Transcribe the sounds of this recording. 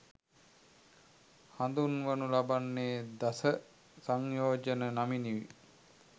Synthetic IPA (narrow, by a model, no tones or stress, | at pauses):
hand̪unʋənulabanːeːd̪asə | saŋjoːd͡ʒənənaminiʋḭ